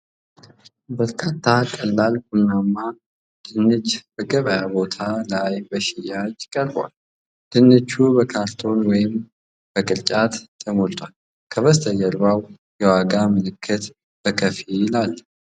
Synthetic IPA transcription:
bəɾkʰat̪ʰːakʼəlːalhunːamːa | d̪̥ɨnːɨt͡ʃːb̥əɡəβəjabo̞t̪ʰalajbəʃɪjad͡ʒkʼəɾbwa̰l | d̪̥ɨnːɨt͡ʃːubəkʰaɾt̪ʰo̞nwɔjɪm | b̥əkʼɨɾt͡ʃʼat̪ːʰəmolt̪ʼwal | kʰəβəst̪ʰəjɛɾbaw | jɛwaɡamɨlɨkʰːɨt̪ | b̥əkʰəfijɪlalː

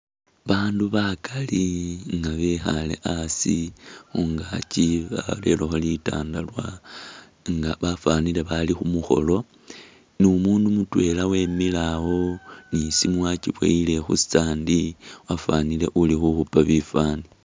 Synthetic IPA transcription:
βaːnduβakʰaliŋɡaβexale̞̰ʔasixuŋɡaciβa̰ale̞̰loxolita̰ːndalwa | ŋɡaβafanile̞βalixumuxo̞̰lo̞ | nimuːndumutwe̞lawe̞milawo̞nisimwaciβwḛile̞xṵsi̥t͡saːndiwafanile̞̰ʔulixuxupaβifaːni

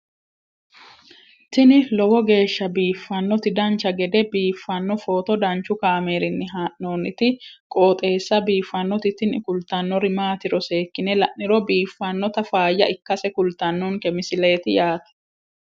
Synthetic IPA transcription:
t̪ɪnɪlɔwɔɡe̞ːʃːɐbiːfːɐnːɔt̪ɪd̪ɐnt͡ʃːɐɡɛd̪ɛbiːfːɐnːɔfo̞ːt̪ɔd̪ɐnt͡ʃːʊkaːmeːɾɪnːɪɦaːʔnoːnɪt̪ɪkʼoːt̪ʼe̞ːsːɐbiːfːɐnːɔt̪ɪt̪ɪnkʊlt̪ɐnːɔɾɪmaːt̪ɪɾɔse̞ːkːɪnɛlɐʔɪɾɔbiːfːɐnːɔt̪ɐfaːjːɐ̰ɪkːɐsɛkʊlt̪ɐnːɔŋkɛmɪsɪle̞ːt̪ɪjaːt̪ɐ̥

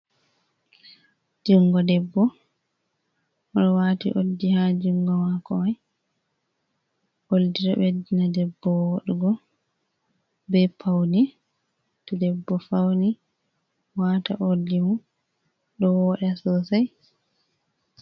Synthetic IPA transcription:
d͡ʒuŋɡɔdɛbːɔ | ɔɗɔwatḭʔodːihad͡ʒuŋɡɔwakɔaj | ʔoldiɾabedinadɛbːɔwoɗɛɡɔ | bɛpʰawni | tudɛbːɔfawni | wata̰ʔodːimu | ɗɔwɔɗɛsɔsaj

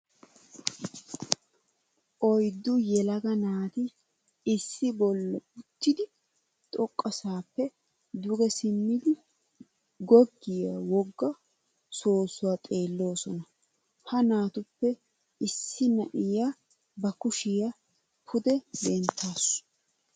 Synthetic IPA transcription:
ʔɔjd̪ːʊjɛlɐɡɐnaːt̪ɪ | ɪsːɪbɔlːɔʊt̪ːɪd̪ɪ | t̪ʼɔkʼːɐsaːpːɛ | d̪ʊɡɛsɪmːɪd̪ɪ | ɡɔɡːɪjawɔɡːɐ | so̞ːsʊwaːt̪ʼe̞ːlːo̞ːsɔnɐ | hɐnaːt̪ʊpːɛ | ɪsːɪnɐʔɪja | bɐkʊʃɪjɐ | pʰʊd̪ɛbɛnt̪ʰːaːsʊ̥

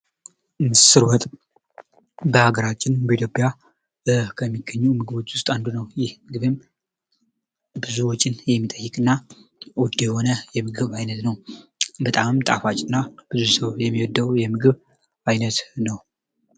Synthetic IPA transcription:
mɨsɨɾwɔt̪ʼ | bəhaɡəɾat͡ʃːɪnbəit̪jo̞pʼja | kʰəmːiɡːəɲːumɨɡɨβo̞t͡ʃːwʊst̪ʼand̪unəwjɪhmɨɡɨβem | bɨzuwɔt͡ʃʼːɪnjɛmːit̪ʼəjːɨkʼɨnːawɔd̪jɛho̞nəjɛmɨɡɨβajnət̪nəwbət̪ʼamt̪ʼa̰fat͡ʃʼɪnːab̥ɨzusəwjɛmːiwɔd̪ːəwjɛmɨɡɨβ | ajnət̪nəw

